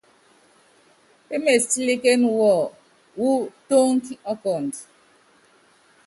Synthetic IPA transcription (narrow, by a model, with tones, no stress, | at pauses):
pe˦me˨sti˦li˦ke˦n˦wɔ˨ | wu˦to˦ŋ̩˦ki˦ɔ˦kɔ˨n˨t